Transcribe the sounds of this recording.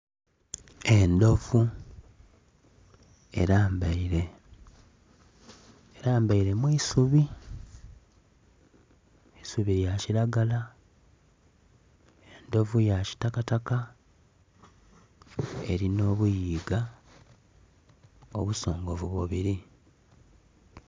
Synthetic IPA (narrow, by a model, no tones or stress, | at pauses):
e̞ndo̞vu | e̞̰ɾaːmbaiɾe̞ | eɾaːmbaiɾe̞mwiːsuβi | esuβiɾjaciɾaɡala | e̞ndo̞vujaci̥takataka | ḛɾino̞ːβujiːɡa | oβuso̞ːŋɡo̞vuβoβiɾi